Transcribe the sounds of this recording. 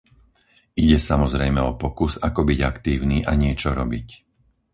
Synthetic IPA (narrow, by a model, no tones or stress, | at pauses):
iɟɛsamɔzɾɛjmɛɔpɔkusakɔbiɟakt̪iːʊniːʔaɲɪɛt͡ʃɔɾɔbic